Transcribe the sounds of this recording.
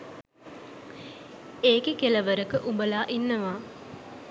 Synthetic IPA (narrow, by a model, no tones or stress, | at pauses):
eːkikelɐʋəɾəkəʔubəlaːʔinːəʋaː